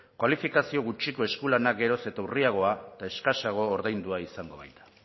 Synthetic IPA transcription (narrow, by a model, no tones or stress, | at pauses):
kwalifikasio̞ɣut͡ʃiko̞e̞skulanakɡe̞ɾo̞se̞t̪auriaɣ̞o̞at̪aeskaʃaɣ̞o̞ːɾðajnd̪uaisaŋɡo̞βa̰jt̪ḁ